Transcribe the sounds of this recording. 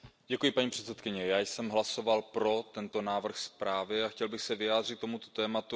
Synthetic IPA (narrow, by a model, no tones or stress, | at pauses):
ɟɛkujɪpaɲipr̝̥ɛt̪sɛt̪kɪɲɛjaːjsɛmɦlaso̞valpɾo̞t̪ɛnt̪o̞naːvr̩xspɾaːvɪaxcɛlbɪxsɛvɪjaːd̪rɪt̪̚t̪ːomut̪o̞t̪ɛːmat̪u